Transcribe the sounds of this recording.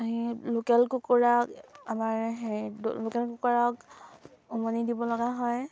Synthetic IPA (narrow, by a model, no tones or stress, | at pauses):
aɦilokɛlkukɔɹakamaɹɦḛlokɛlkukɔɹak | ɔmɔnidibɔlɔɡaɦɔj